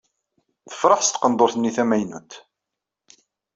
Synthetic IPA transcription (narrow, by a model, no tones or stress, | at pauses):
θə̥fɾˤɑħst̪qənd̪ˤoɾθnːiθæmæjnut̪